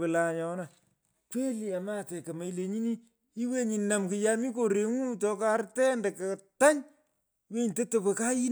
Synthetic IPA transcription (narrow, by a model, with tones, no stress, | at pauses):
ɨ˨la˨ɲɔ˨na˨ | kwe˦li˨a˨ma˦˨tɛ˨kɐ˨ma˨i˦le˨ɲi˦ni˦ | i˦we˦ɲi˨na˨mkɨ˨ja˦mi˦ko˨ɾe˨ŋu˦tɔ˧ka˦rtɛ˦nde˨ka˨ta˦ɲ | we˦nte˦to˨pe˨ka˦ji˦n